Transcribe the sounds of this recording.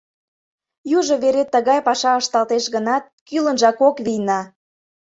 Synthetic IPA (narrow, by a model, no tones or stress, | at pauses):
juʒŏβeɾet̪ːəɣɑjpɑʃɑəʃt̪ɑlt̪eʃɣənɑt̪̚kylənʒɑkokβijnɑ